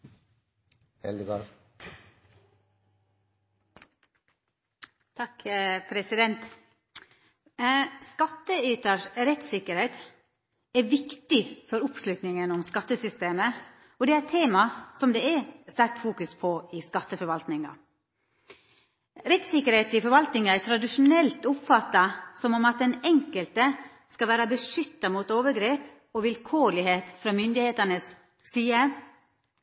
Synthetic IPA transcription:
hɛ̰ld̪ɡɑ | t̪ʰɑkpʰɾɛsɪd̪ɛnt̪ | skɑt̪ːəyːt̪əɾɾɛt̪sɪkəɾhɛɪt̪ | æʋɪkt̪ɪfɔɾʊpslʉt̪nɪŋənɔmskɑt̪ːəsʏst̪eːmə | ɔd̪ɛːæt̪ʰeːmɑsɔmd̪ɛæst̪æɾk̚t̪fuːkʉspʰɔɪskɑt̪ːəfɔɾʋɑlt̪nɪŋɑ̰ | ɾɛt̪sɪkəɾheːt̪ɪfɔɾʋɑlt̪nɪŋɑæt̪ʰɾɑd̪ɪʂʊnɛlt̪ʊpfɑt̪ːɑsɔmɔmɑt̪̚d̪ɛnɛŋkəlt̪ə | skɑʋæːɾɑbəʂʏt̪ːɑmuːt̪oːʋəɾɡɾeːp | ɔʋɪlkʰoːɭɪheːt̪fɾɑːmʏnd̪ɪheːt̪ənəs | siːə

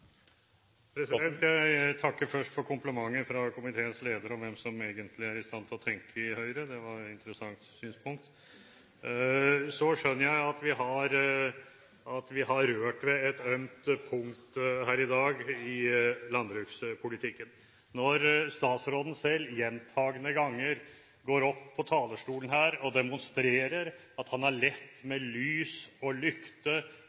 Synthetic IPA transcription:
pʰɾɛsɪd̪ɛnt̪jæɪt̪ʰɑkːəɾfœʂʈfɔɾkʰʊmpləmɑŋːəfɾɑkʰʊmɪt̪ʰeːənsleːd̪əɾɔmʋɛmsɔmeːɡənt̪ʰlɪæɾɪst̪ɑnt̪ʰlɔt̪ʰɛŋkəɪhœʏɾəd̪ɛʋɑɾɪnt̪əɾəsɑŋt̪syːnspʊŋk̚t̪ | sɔʂœnːəɾjæɪɑt̪ʋɪɦɑɾ | ɑt̪ʋɪɦɑɾøːʈʋɛɛt̪œʏmt̪pʰʊŋkt̪hæːɾɪd̪ɑːɡɪlɑnd̪ɾʉːkspʰʊlɪt̪ʰɪkːən | nɔɾst̪ɑːt̪sɾoːd̪n̩sɛlːjɛnt̪ʰɑːɡənəɡɑŋːəɾ | ɡoːɾɔpʰːɔt̪ʰɑːləʂʈuːlən̩hæːɾɔd̪ɛmʊnst̪ɾeːɾəɾ | ɑt̪hɑnæɭɛt̪ːmɛlyːsɔlʏkt̪ə

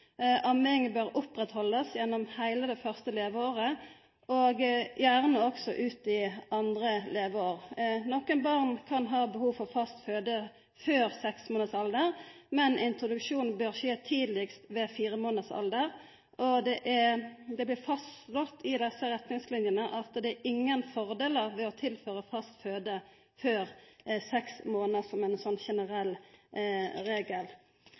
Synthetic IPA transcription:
ʔɑmɪŋbøːʁʊpʁɛt̪hɔlːəsjɛnːɔmhæɪləd̪ɛfœʁst̪əleːʋəoːʁə | oːɡjæːʁnəɔksɔʔʉːt̪ɪʔɑnd̪ʁəleːʋəoːʁnɔkːənbɑʁnkʰɑnɦɑːbəhuːfɔʁfɑst̪føːd̪ə | føːʁsɛksmoːnəsɑld̪əʁmɛnɪnt̪ʁʊd̪ʉkʂuːnn̩bøːʁʃeːt̪ʰiːd̪lɪkst̪ʋɛːfiːʁəmoːnəsɑ̰ld̪əʁ | ɔd̪ɛʔɛd̪ɛblɪːʁfɑstlɔt̪ʰːɪd̪ɛsːəʁɛt̪nɪŋslɪnjənəʔɑt̪d̪ɛːɾʔɪŋːənfɔʁd̪eːləʁʋɛɔt̪ʰɪlføːʁəfɑst̪føːd̪ə | føːʁsɛksmoːnəʁsɔmɛnsɔnːʃɛnəʁɛl | ɾeːɡəl

